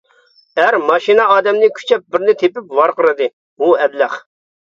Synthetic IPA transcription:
æɾmɑʃinɑɑːd̪ɛmnɪkʲʰy̥t͡ʃʰɛp̚bɪɾnɪt̪ʰepɪpvɑɾqʰəɾɨd̪ɨ | uɛd̪læχ

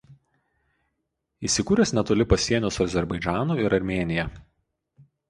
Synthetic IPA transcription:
iːˑsʲɪkuːɾʲɛsʲnʲɛt̪oːlʲɪpɐsʲiɛnʲoːsɐzʲɛɾbɐɪd͡ʒʲæːnuːɪɾɐɾʲmʲeːnʲɪjɛ

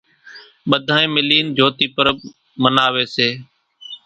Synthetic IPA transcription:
ɓəd̪ʱaːẽːmɪliːnd͡ʒʱoːt̪iːpəɾə | mənaːʋeːseː

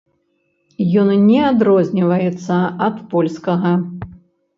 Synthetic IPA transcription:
jɔnnʲɛad̪ɾɔzʲnʲivɐjɛt̪sːɐɐt̪pɔlʲskɐɣɐ

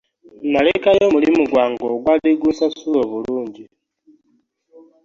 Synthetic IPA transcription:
nalekajomulimuɡwaːŋɡoɡwadiɡusasuloβuluːɲɟi

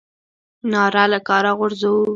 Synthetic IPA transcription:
nɑɾalakɑɾaɣʊɾzawu

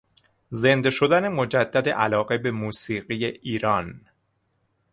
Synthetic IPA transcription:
ze̞nd̪eʃo̞d̪æne̞mo̞d͡ʒæd̪ːæd̪e̞̰ʔælɒːɣe̞be̞muːsiːɢijeʔiːɾɒːn

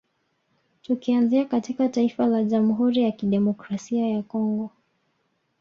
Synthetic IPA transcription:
tukianziakatikataifalaʄamuɦuɾijakiɗɛmɔkɾasiajakɔŋɡɔ

